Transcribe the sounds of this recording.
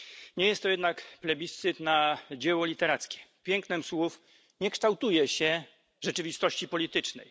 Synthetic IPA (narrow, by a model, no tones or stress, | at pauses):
ɲɛjɛst̪ːɔjɛd̪nakplɛbʲist̪sɘt̪nad͡ʑɛwɔlʲit̪ɛɾat̪skʲɛ̥pʲjɛŋknɛmswuf | ɲɛkʂt̪awt̪ujɛɕɛ | ʐɛt͡ʂɘvʲist̪ɔɕt͡ɕipɔlʲit̪ɘt͡ʂnɛ̰j